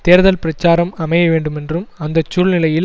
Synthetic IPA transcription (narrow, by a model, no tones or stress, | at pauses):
t̪eːɾðɐlpɪɾɐt͡ʃːaːɾɐmɐmɐjɐʋeːɳɖɯmɛndrɯmɐnd̪ɐt͡ʃːuːɭnɪlɐjɪl